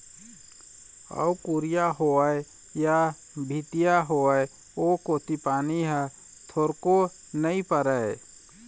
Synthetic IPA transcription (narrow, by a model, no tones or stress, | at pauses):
ə̰kuɾijaɦoəe | ja | bʱit̪ijaɦoəe | okoːt̪ipaːniɦɛ | t̪ʰoːɾko | nəĩpəɾə